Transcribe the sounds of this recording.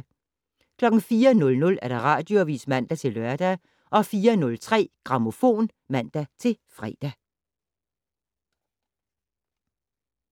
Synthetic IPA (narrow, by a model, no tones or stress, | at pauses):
kʰlɒ̽ɡ̥n̩fiːɐnɔ̽lnɔ̽læɐɾ̥ɑ̈ʁɑ̰̈ːd̥joʋḭːsmæn̰d̥æt͡sʰe̝lɶɐd̥æ | ʔɒ̽fiːɐnɔ̽lt͡sʰʁɛ̰ːɡ̥ʁɑ̈mo̝fo̝̰ːn | mæn̰d̥æt͡sʰe̝fʁɛ̰ːd̥æ